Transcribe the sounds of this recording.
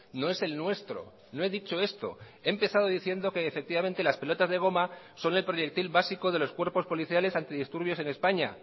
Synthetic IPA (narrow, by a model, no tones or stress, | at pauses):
noe̞se̞lnwe̞st̪ɾo̞̰ | no̞e̞ðit͡ʃo̞e̞st̪o̞̰ | e̞ːmpe̞θaðo̞ðiθje̞nd̪o̞ke̞ːfe̞k̚t̪iβament̪e̞laspe̞lo̞t̪azðe̞ɣ̞o̞ma | so̞ne̞lpɾo̞ʝe̞k̚t̪ilβasiko̞ð̞e̞lo̞skwe̞ɾpo̞spo̞liθjale̞sant̪iðist̪uɾβjo̞se̞ne̞spaɲa